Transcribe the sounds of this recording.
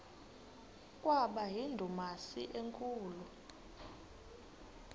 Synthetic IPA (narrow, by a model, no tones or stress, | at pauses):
kʼwaɓaɦindʱumasiʔeŋkʼuːlu